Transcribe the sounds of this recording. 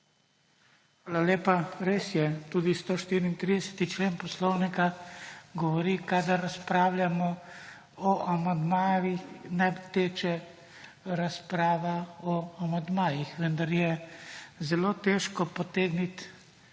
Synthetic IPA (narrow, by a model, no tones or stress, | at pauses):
xʋaːlaleːpaɾeːsjɛt̪uːd̪ist̪oːʃt̪iːɾiːnt̪ɾid̪ɛsɛ̥t̪it͡ʃleːnpɔslɔwnikaɡɔʋɔɾikad̪aɾːaspɾaːwljamɔ | ɔʔamand̪maːʋixnat̪eːt͡ʃɛ | ɾaspɾaːʋaɔamand̪maːjixʋənd̪aɾjɛ | zɛloːt̪eːʃkɔpɔt̪eːɡnit̪